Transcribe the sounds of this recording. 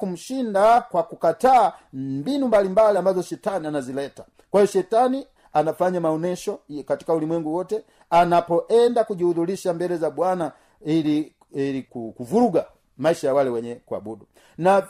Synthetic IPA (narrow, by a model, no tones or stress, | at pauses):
kum̩ʃindakwakukataːmmbinumbalimbaliambazɔʃɛtanianazilɛta | kwaiɔʃɛtani | anafaɲamaɔnɛʃɔkati̥kaulimwɛŋɡuwɔtɛ | anapɔʔɛndakuʄiuðuliʃambɛlɛzaɓwana | ili | ilikukuvuɾuɡa | maiʃajawalɛwɛɲɛkwa̰budu | na